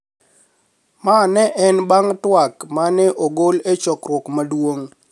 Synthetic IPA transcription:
manɛʔɛnbaŋtwakmanɛʔoɡolet͡ʃɔkrwɔkmadwoŋ

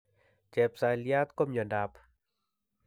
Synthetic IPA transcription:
t͡ʃɛpsalijaːt̪komjɔndaːp

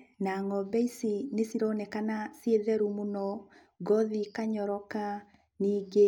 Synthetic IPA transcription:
naŋɔbɛisinesiɾɔnɛkanasjeðɛɾumunɔ | ɡɔðikaɲɔɾɔka | niːɡe

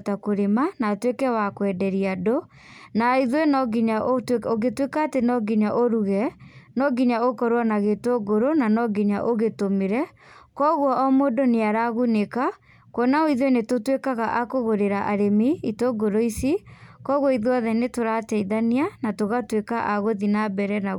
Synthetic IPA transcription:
takoɾemanatwekɛwakwɛdɛɾiado | naiðwenɔɡiɲaʔotoɣetwekaːtenɔɡiɲaʔoɾuɣɛnɔɡiɲaokɔɾwanaɣetoɡoɾonanɔɡiɲa̰ʔoɣetomeɾɛ | kɔɣwɔʔɔmodoneaɾaɣuneka | konaoiðwenetotwekaɣaʔakoɣoɾeɾaʔaɾemiitoɡoɾoisikɔɣwɔiðwɔðɛnetoɾatɛiðanianatoɣatwekaʔaɣoðinabɛɾɛna

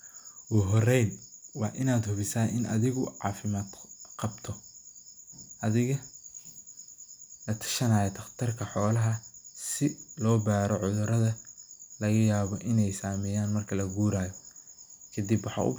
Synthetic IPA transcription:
wʊɦɔrɛjnwɑːʔɪnaːd̪hʊβɪsaːɪnʔɐ̰ðɪɣʊʕɑ̰ːfɪmaːd̪qɑbt̪ʰɔ | ʔɐðɪɣɐ | lɐt̪ʰɐ̥ʃɐnaːjɔt̪ʰɐχt̪ʰɐrkʰɐħɔːlɐɦɐsɪlɔːbaːɾɔʕʊðʊɾɐðɐlɐɣɐjaːβɔʔɪnɛjsaːmɛjaːnmɐrkʰɐlɐɡuːɾaːjɔ | kʰɐd̪ibwɑħɑ̰ʔʊ̰

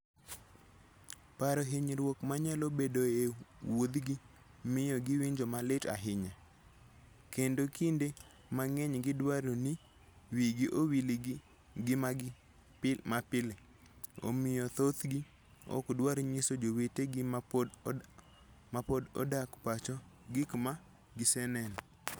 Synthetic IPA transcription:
paɾɔɦiɲɾwokmaɲalobedoewod̪ɡɪ | mɪjɔɡɪwiɲd͡ʒomalɪta̰ɦɪɲa | kendokinde | maŋɛɲɡɪdwaɾoni | wiɡiʔowil | ɡ | mapɪle | o̰mɪjɔt̪ot̪ɡi | ɔ̰kdwaɾɲisod͡ʒoweteɡɪm | mapodɔ̰dakpat͡ʃɔɡɪkma | ɡɪsɛnɛn

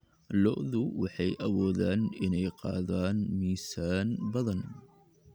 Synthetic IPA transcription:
lɔʔðʊwɑħɑjʔɐwɔːðaːnɪnɛjqɑ̰ːðaːnmiːsaːnbɐðɐn

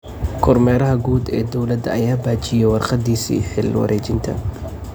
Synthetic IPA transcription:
kʰɔrmɛːɾɐɦɐɡuːd̪ɛ̰ːd̪ɔwlɐd̪ɐɐjaːbaːt͡ʃɪjɛwɑrqɑd̪iːsḭːħɪlwɑ̰ɾʔɛːt͡ʃɪnt̪ʰɐ̰

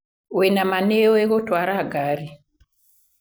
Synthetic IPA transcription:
wenamaneoeɣotwaɾaɡaɾi

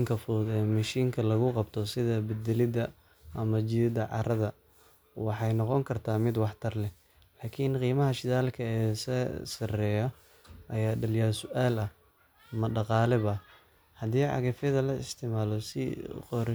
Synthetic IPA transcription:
ŋkʰɐfʊɛːmɐʃiːŋkʰɐlɐɣʊqɑbt̪ʰɔsɪðɐbɛd̪ɛlɪd̪ɐ | ʔɐmɐt͡ʃɪðɪd̪ɐʕɑ̰ɾɐðɐ | wɑħɑjnɔqɔŋkʰɐrt̪ʰaːmɪd̪wɑħt̪ʰɐrlɛ | laːkʰiːnqiːmɐɦɐʃɪðaːlkʰɐɛːsɛsɐrɛːjɔ | ʔɐjaːɖɐljaːsʊʔaːlɐ | mɐɖɑqɑːlɛβɐ | hɐðiːʕɑ̰ɣɐfɐðɐlɐɪ̰st̪ʰɪmaːlɔsɪ̰qɔːɾ

